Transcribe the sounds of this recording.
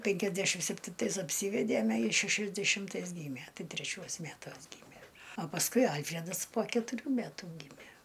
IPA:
pʲeːŋʲkʲɛzʲˈdʲæːʃʲɪm sʲɛpʲtʲɪnˈtɐɪs ɐpʲˈsʲiːʋʲɛdʲeːmʲɛ ˈjɪs ʃʲɛʃʲɛzʲdʲɛʃʲɪmˈtɐɪs ˈɡʲiːmʲiɛ ˈtɐɪ tʲrʲɛˈt͡ʃʲuɔs ˈmʲætuɔs ˈɡʲiːmʲiɛ ɐ pɐsˈkʊɪ ˈɐlʲfʲrʲɛdɐs poː kʲɛtʊˈrʲuː ˈmʲætuː ˈɡʲiːmʲæ

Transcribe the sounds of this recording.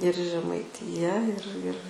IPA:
ɪr ʒʲɛmɐɪˈtʲɪjɛ ɪr ɪr

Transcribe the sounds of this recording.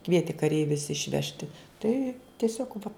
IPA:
ˈkʋʲiɛtʲɪ kɐˈrʲɛɪʋʲʊs ɪʃʲˈʋʲæːʃʲtʲɪ ˈtɐɪ tʲiɛˈsʲoːk ʋɐ

